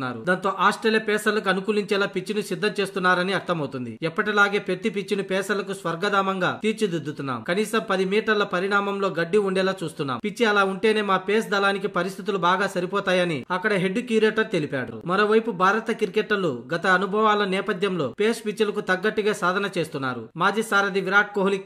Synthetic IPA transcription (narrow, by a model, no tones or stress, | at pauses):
nːa̰ːɾṵd̪aːnt̪o̞ːʔaːsʈɐlepɛːsɐlɐk̬uɐnukuːliɲt͡ʃɛːlaːpit͡ʃːinusid̪ːɐt͡ʃe̞ːst̪unːaːɾɐniɐɾt̪ɐmɐwt̪und̪ḭɛpːɐʈilaːɡe̞ːpet̪ːipit͡ʃːinupɛːsɐlɐkusʋɐɾɡɐd̪aːmɐŋɡaːt̪iːɾt͡ʃid̪ud̪ːut̪unːa̰ːmkɐniːsɐmpɐd̪imiːʈɐɾlɐpɐɾiɳaːmɐmlo̞ːɡɐɖːiuɳɖɛːlaːt͡ʃuːst̪unːa̰ːmpit͡ʃːiɐlaːuɳʈe̞ːne̞ːmaːpeːsd̪ɐlaːnikipɐɾist̪ʰit̪ulubaːɡaːsɐɾipɔːt̪aːjɐniɐkːɐɽɐɦeɖːukiɾeːʈɐɾt̪e̞lipa̰ːɽṵmɐɾo̞ːʋɐjpubʱaːɾɐt̪ɐkiɾikeʈːɐluɡɐt̪ɐːnubʱɐʋaːlɐnɛːpɐd̪ʱjɐmlo̞̰ːpeːspit͡ʃːɐlɐkut̪ɐɡːɐʈːiɡaːsaːd̪ʱɐnɐt͡ʃe̞ːst̪unːa̰ːɾṵmaːd͡ʒiːsaːɾɐd̪iʋiɾaːʈ̚koːɦlik